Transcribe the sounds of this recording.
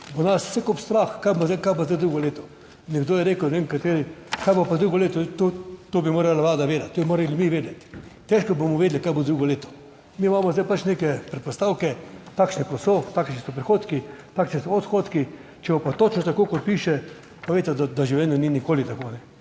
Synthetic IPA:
bonassɛkopst̪ɾaxkajozd̪aɪkajbozd̪ajd̪ɾuɡɔleːt̪ɔ̥ | nʲɛɡd̪oːjɛɾeːkəwneʋenkat̪eːɾikajbopad̪ɾuːɡɔleːt̪ɔt̪ot̪oːbimoːɾalaʋlaːd̪aʋeːd̪at̪t̪ːoːmoːɾalimiʋeːd̪ɛt̪t̪ɛʃkɔbomɔʋeːd̪likaːjbod̪ɾuːɡɔleːt̪ɔ̥ | mimaːmɔzd̪ajpat͡ʃneːkɛpɾɛt̪pɔst̪aːwkɛt̪aːkʃnɛkɔsot̪aːkʃnisɔpɾixoːt̪kit̪aːkʃnisɔɔt̪xot̪ki | t͡ʃɛbopat̪ot͡ʃnɔt̪akoːkɔt̪̚piːʃɛ | pɐʋeɪt̪ɛd̪ad̪aʒiwljɛːnɔninikoːlit̪akoːnɛ

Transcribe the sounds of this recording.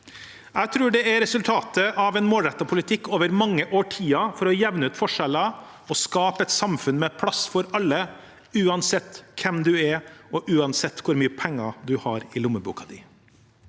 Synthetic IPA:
æɪt̪ʰɾʉːɖɛæɾɾɛsʉlt̪ʰɑːt̪əʔɑʋɛnmoːlɾɛt̪ːɑpʰʊlɪt̪ʰɪkːoːʋəɾmɑŋːəʔoːʈʰiːɑfɔɾɔjɛʋnʉːt̪fɔʂɛlɑ | ɔskɑːpəɛt̪sɑmfʉnmɛpʰlɑsfɔɾɑlːə | ʉːɑnsɛt̪ːkʰɛmd̪ʉæɾɔʔʉːɑnsɛt̪ːkʰʊɾmyːəpʰɛŋːɑd̪ʉhɑɾɪlʊməbṵːkɑd̪ɪ

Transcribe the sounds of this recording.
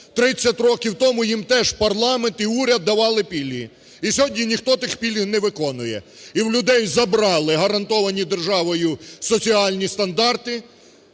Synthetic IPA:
t̪ɾɪt͡sʲːɐtʲɾɔkʲiwt̪ɔmʊjimt̪ɛʒpɐrlˠɑment̪iuɾʲɐd̪ːɐʋɑlˠɪpʲilʲɦi | isʲɔɦɔdʲnʲinʲixt̪ɔt̪ɪxpʲilʲɦinɛʋɪkɔnʊjɛ̰ | iwlʲʊd̪ɛjzɐbɾɑlˠɪɦɐɾɐnt̪ɔʋɐnʲid̪erʒɑʋɔjʊsɔt͡sʲiɑlʲnʲist̪ɐnd̪ɑrt̪ɪ

